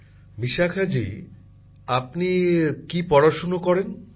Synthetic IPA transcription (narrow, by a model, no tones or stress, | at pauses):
miʃakʰad͡ʑḭ | apnikipɔɾaʃonokɔɾen